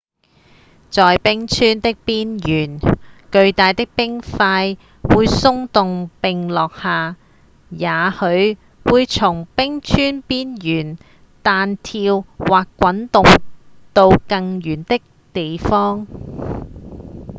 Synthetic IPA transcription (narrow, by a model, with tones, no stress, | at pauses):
t͡sɔː˨jpɪ˥ŋt͡ʃʰyː˥nt̪ɪ˥k̚piː˥njyː˨˩nkɵ˧ɥt̪aː˨jt̪ɪ˥k̚pɪ˥ŋfaː˧j | wuː˨˧jsʊ˥ŋt̪ʊ˨ŋpɪ˨ŋlɔː˨k̚haː˨ | jaː˨˥hɵ˨˧ɥ | wuː˨˧jt͡sʰʊ˨˩ŋpɪ˥ŋt͡ʃʰyː˥npiː˥njyː˨˩n | t̪aː˨nt̪ʰiː˧wwaː˨kːʷɐ˨˥nt̪ʊ˨ŋt̪o˧wkɐ˧ŋjyː˨˩nt̪ɪ˥k̚ | t̪e˨jfɔː˥ŋ